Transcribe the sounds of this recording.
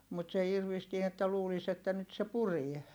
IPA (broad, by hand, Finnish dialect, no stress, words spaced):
mut se irʋistie etːæ luːlis etːæ nyt se purie